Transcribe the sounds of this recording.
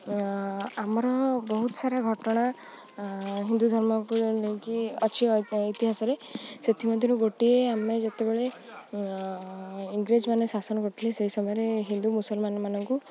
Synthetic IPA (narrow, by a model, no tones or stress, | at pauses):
amɔɾɔbɔɦut̪ɔ̥saɾaɡʱɔʈɔɽ̃a | ɦind̪ud̪ʱɔɾmɔkunekiɔt͡ʃʰiit̪iɦasɔɾeset̪ʰimɔd̪ʱiɾuɡoʈieamed͡ʒet̪ebeɭe | iŋɡɾed͡ʒmanesasɔnɔkoʈʰileseɦisɔmɔjɔɾeɦind̪umusɔlmanɔmanɔŋku